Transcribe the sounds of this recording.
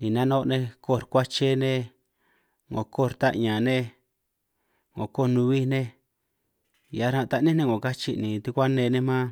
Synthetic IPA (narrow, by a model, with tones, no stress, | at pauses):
nĩ˨nã˦nõ˦˧nẽ˧ko˦˨ɾkʷa˦t͡ʃe˦nẽ˦ | ŋo˨ko˦˨˧ɾt̪a̰˦ʔɲã˨nẽ˦ | ŋo˨ko˦˨nũ˧βi˦nẽ˦ | ja˧˦ɾã˧t̪a˧nĩ˦nẽ˦ŋo˨ka˦t͡ʃi˧nĩ˨t̪i˧kʷa˦nẽ˧nẽ˦mã˦